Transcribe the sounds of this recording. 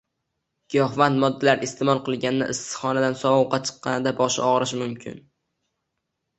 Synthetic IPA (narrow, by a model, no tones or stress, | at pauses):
ɡ̥jɒhvant̪mɒd̪ːalaɾest̪ɪmɒlˠqʰɨlˠɡʲannɪ̰ʔɪst̪ɨ̥χɒnad̪ansɒwɒwqɑt͡ʃʰɨ̥qːɑnɪd̪abɒʃɒʁɾɪʃmʊmkʲʰɪ̰n